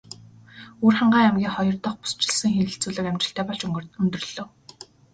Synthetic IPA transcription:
uːrχaɴɢaːæmɡʲiːŋχɔjɞ̆rt̪ɞ̆χpu̥st͡ɕɪ̆ɮsɘ̆ŋxeɘ̆ɬt͡suːɮɘ̆kæmʲt͡ɕɪ̥̆ɬt̪ʰæːpɔɬt͡ɕɵɵnt̪ɵ̆rɮoːw

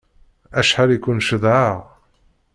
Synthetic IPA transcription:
æʃħaɾikʷʊnʃəðʕaʁ

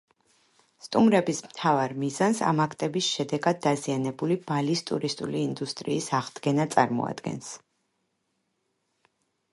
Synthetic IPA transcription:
st̪ʼumɾɛbismt̪ʰavaɾmizansa̰makʰt̪ʼɛbisʃɛd̪ɛɡad̪̚ːazianɛbulib̥alist̪ʼuɾist̪ʼṵliːnd̪ust̪ʼɾḭːsaʁd̪ɡɛnat̪sʼa̰ɾmɔ̰a̰d̪ɡɛ̰ns

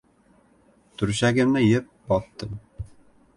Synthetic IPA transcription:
t̪ʰʊɾʃaɡʲɪmnɪjɪp̚bɒt̪ːɤm

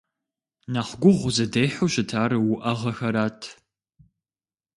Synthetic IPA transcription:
naχʷɡʷʊʁʷʊzɐdejħoɕɪtʰaːɾɨwʊʔɐʁɐxɐɾaːtʰ

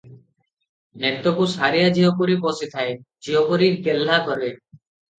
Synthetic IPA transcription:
net̪ɔkusaɾijad͡ʒiɦɔkuɾipɔsit̪ʰaed͡ʒiɦɔkuɾiɾɡelːakɔɾe

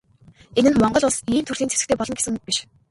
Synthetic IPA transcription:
enɘ̆nmɔɴɢɞ̆ɮʊɮsiːmt̪ʰɵrt̪iːnt͡sʰe̥sɘ̆kt̪ʰeːpɔɮɞ̆nɡesɘ̆ŋpiʃ

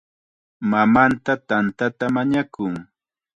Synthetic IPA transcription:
mamant̪at̪ant̪at̪amaɲakʊŋ

